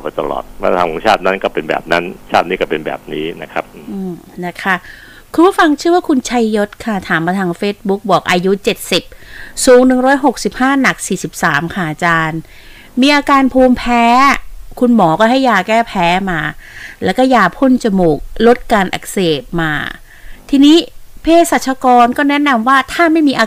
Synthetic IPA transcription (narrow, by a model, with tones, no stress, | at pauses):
ɔ˨˩pa˧jt̪a̰˧lɔ̰ː˨˩t̪̚ma̰ː˧t̪ʰaː˨˦kʰɔ˨˦ŋt͡ɕʰaː˥˩t̪̚na˦˥nkɔː˥˩pe˧nbɛ̰ː˨˩p̚na˦˥nt͡ɕʰaː˥˩t̪̚niː˥˩kɔː˥˩pe˧nbɛ̰ː˨˩p̚niː˦˥na˦˥kʰɾa˦˥p̚ʔɯː˨˩ʔɯː˧˩mna˦˥˩kʰa˥˩ | kʰu˧npʰu˥˩fa˧ŋt͡ɕʰɯ˥˩əwaː˥˩kʰu˧nt͡ɕʰa˧jːo˦˥t̪̚kʰa˥˩t̪ʰaː˩˦mːaː˧t̪ʰaː˧ŋfeː˦˥t̪̚bu˦˥k̚bu˨˩ək̚ʔaː˧ju˦˥t͡ɕe˨˩t̪̚si˨˩p̚suː˩˦ŋnɯ˨˩ŋɾɔː˦˥jɦo˨˩k̚si˨˩p̚haː˥˩na˨˩k̚siː˨˩si˨˩p̚saː˩˦mkʰa˥˩ʔa˨˩t͡ɕaː˧n | miː˧ʔaː˧kaː˧npʰuː˧mpʰɛː˦˥kʰu˧nmɔː˩˦kɔː˥˩ɦa˥˩jːaː˧kɛː˥˩pʰɛː˦˥maː˧lɛː˦˥wkɔː˥˩jaː˧pʰo˥˩nt͡ɕa˧moː˨˩k̚lo˦˥t̪̚kaː˧nʔa̰˨˩k̚seː˨˩p̚maː˧ | t̪ʰiː˧niː˦˥pʰeː˧sa˨˩t͡ɕʰa˧kɔː˧nkɔː˥˩nɛ˦˥na˧mwaː˥˩t̪ʰaː˥˩ma˥˩jmiː˧ʔaː˧